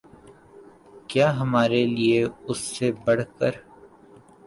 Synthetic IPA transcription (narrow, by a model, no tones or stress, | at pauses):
kjaːɦɐmaːɾelieʊsːebɐɽ̤kəɾ